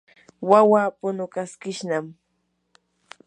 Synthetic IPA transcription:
wawaːpʊnʊkaskɪʃnam

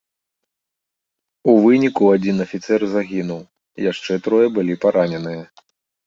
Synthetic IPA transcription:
uvɨnʲikuad͡zʲinɐfʲit̪sɛrzaɣʲinuw | jaʂt͡ʂɛt̪ɾɔjɛbɨlʲipaɾʔanʲɛnɨjɐ

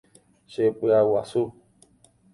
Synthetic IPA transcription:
ʃepɨawasu

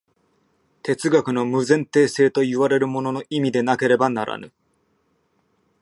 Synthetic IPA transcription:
t̪e̞t͡sɨɡakɯ̟no̞mɯ̟zẽ̞nt̪e̞ːse̞ːt̪o̞iβaɾe̞ɾɯ̟mo̞no̞no̞ʔimʲid̪e̞nake̞ɾe̞banaɾʔa̰nɯ̟

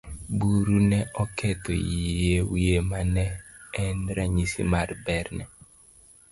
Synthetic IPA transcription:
buɾunɛɔkɛtɔ̰jewiemanɛːndɾaɲisḭmaɾbɛɾnɛ̰

